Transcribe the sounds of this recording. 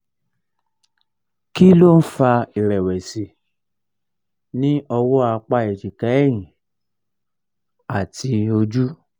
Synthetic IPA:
ki˦lo˦n̩˦fa˧i˨ɾɛ˨wɛ˨si˧ | nĩ˦ʔɔ˧wɔ˦a˧k͡pa˧˨e˨d͡ʒi˨ka˨˦ɛ˦˨j̃ĩ˨ | a˨ti˧o˧d͡ʒu˦

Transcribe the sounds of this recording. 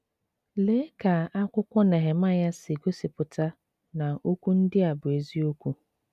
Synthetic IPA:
leː˦ka˨a˦kʷʊ˦kʷɔ˦nɛ˨ɦe˨ma˦ja˦sɪ˨ɡo˦si˨pʊ˨ta˦ | na˨o˦kʷu˦n̩˦dɪ˦a˨bʊ˨e˨zi˦o˦kʷu˦

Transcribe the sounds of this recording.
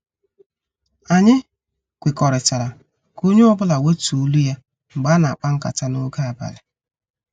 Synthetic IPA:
a˨ɲɪ˦ | kʷɪ˨kɔ˨ɾɪ˨t͡ʃa˨ɾa˨ | ko˦ɲe˦ɔ˦bʊ˦la˨we˦tu˨u˦lu˦ja˦ | ŋ͡m̩˨ɡ͡ba˦na˨a˨k͡pa˦ŋ̩˦ka̰˨ta˦no˦ɡa˦a˨ba̰˨lɪ˨

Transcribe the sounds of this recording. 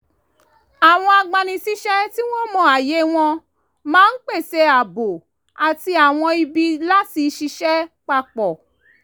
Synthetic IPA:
a˨w̃ɔ̃˧a˧ɡ͡bã˧nĩ˧ʃi˦ʃɛ˦ti˦w̃ɔ̃˦mɔ̃˧a˨je˨˦w̃ɔ̃˧ | mãː˦n̩˦k͡pe˦˨se˧a˨bo˨ | a˨ti˧a˨w̃ɔ̃˧i˧bi˧la˦ti˧ʃi˧ʃɛ˦k͡pa˧k͡pɔ˨

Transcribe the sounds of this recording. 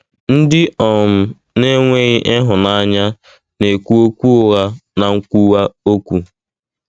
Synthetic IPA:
n̩˦dɪ˦ɔ˨m̩˦ | ne˦ŋʷe˦ɣɪ˦ʔe˦ɦʊ˨na˨a˦ɲa˦ | ne˨kʷu˦o˦kʷu˦ʊ˨ɣa˦na˨ŋ̩˦kʷu˦wa˦o˦kʷu˨

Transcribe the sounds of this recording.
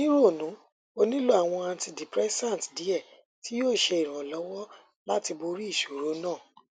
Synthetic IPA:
nĩ˦ɾo˦˨nũ˨˦ | o˦˧nĩ˦lo˦a˨w̃ɔ̃˧a˧n˦ti˧di˨pɾɛ˦sã˦˨n˨tdi˨˦ɛ˦˨ | ti˦joː˦˨ʃe˧i˨ɾ̃ã˨lɔ˨˦wɔ˦ | la˦ti˧bo˧ɾi˦i˦˨ʃo˨ɾo˨˦nãː˦˨

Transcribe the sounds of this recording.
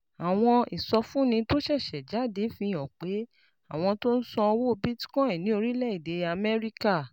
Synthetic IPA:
a˨w̃ɔ̃˧i˨sɔ˧fũ˦nĩ˧to˦ʃɛ˦˨ʃɛ˨d͡ʒa˨˦˨de˨˦fĩ˧ɔ˨k͡pe˨˦ | a˦˨w̃ɔ̃˧to˦n̩˦sɔ̃˧wo˦o˧bi˦ti̥˦kɔ̃˦ĩ˨nĩ˨˦o˧ɾi˦lɛ˦i˦˨de˨˦a˧mɛ˦ɾi˦ka˦˨

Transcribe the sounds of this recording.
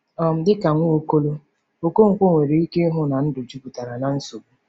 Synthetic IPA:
ɔ˨m̩˦dɪ˦ka˨ŋʷo˦o˦ko˦lo˦ | o˨ko˦ŋ̩˨kʷo˦ŋʷe˨ɾe˨i˦ke˦ɦʊ˨na˨n̩˦dʊ˨d͡ʒi˦bʊ˨ta˨ɾa˨na˦n̩˦so˨bu˦

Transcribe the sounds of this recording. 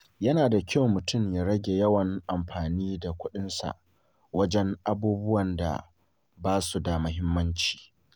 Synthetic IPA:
jɐ˦naː˨da˨kʲa˦wmʊ˨tʊ˦˨mjaː˦ɽɐ˦ɡʲe˨jɐ˦wɐ˨ŋʔa˨mɸaː˨niː˦da˨kʷʊ˦ɗɪ˦nsa̰˨ʔ | wɐ˦d͡ʒɛ˦ŋʔa˦buː˦bʊ˦wɐ˨nda̰˨ | baː˦su˨da˨mʊ˦ɦɪ˦mːɐ˦nt͡ʃi̥ː˨

